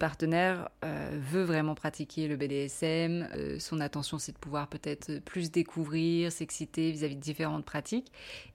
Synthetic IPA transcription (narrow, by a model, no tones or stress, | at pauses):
paʁt̪ənɛʁø̰vøvʁɛmɑ̃pχat̪ikʲeləbed̪eɛsɛmø̰sɔ̃nat̪ɑ̃sjɔ̃sɛd̪əpuvwaʁpøt̪ɛt̪χplys̬d̪ekʰuvʁiʁsɛksit̪evizavid̪əd̪ifeʁɑ̃t̪̚pχat̪ʰik